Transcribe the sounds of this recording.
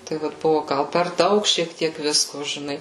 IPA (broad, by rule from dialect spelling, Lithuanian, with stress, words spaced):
tɐɪ ˈʋɐt ˈbʊʋoː ˈɡɐlˠ pʲɛr ˈdɐʊk ʃʲiɛk ˈtʲiɛk ˈʋʲɪskoː ʒʲɪˈnɐɪ